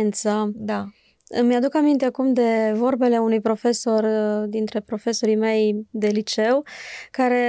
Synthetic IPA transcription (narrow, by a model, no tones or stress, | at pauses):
nt̪səd̪a | mjad̪ukamint̪e̞akumd̪e̞vo̞rbe̞le̞unujpɾo̞fe̞so̞rd̪int̪ɾe̞pɾo̞fe̞so̞ɾime̞jd̪e̞lit͡ʃe̞wkaɾe̞